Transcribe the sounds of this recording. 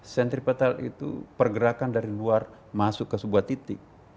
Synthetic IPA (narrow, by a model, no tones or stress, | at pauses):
sɛnt̪ɾipat̪alḭt̪ṵpərɡəɾakandaɾiluar | masʊkːəsəbuat̪it̪ɪk̚